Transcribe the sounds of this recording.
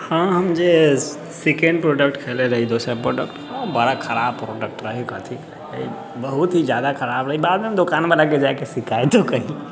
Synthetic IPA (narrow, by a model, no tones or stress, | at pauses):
hə̃ɦəmd͡ʒe | sikẽɳɖpɾoɖək̚ʈkʰeleɾəɦid̪osəpɾoɖək̚ʈ | bəɽakʰəɾabpɾoɖək̚ʈɾəɦikət̪ʰi | ə̰i | bəɦut̪ɦid͡ʒjad̪akʰəɾabɾəɦibad̪meɦəmd̪okanbəlaked͡ʒajkesikaet̪okəɦi